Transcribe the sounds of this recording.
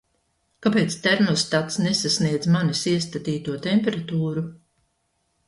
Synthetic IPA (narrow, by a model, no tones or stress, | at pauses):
kapeːt̪st̪ɛɾmɔst̪at̪snesasniɛd̪zmanisiɛst̪at̪iːt̪uɔt̪ɛmʲpeɾat̪uːɾu